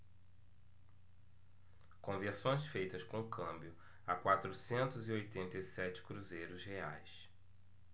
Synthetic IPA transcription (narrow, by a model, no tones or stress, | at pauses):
kõveɾsõj̃sfejt̪ɐskõʊkʰɐ̃mbjʊ | akwat̪ɾʊsẽnt̪ʊziojt̪ẽnt̪ɐisɛt͡ʃɪ̥kɾuzejɾʊzheajs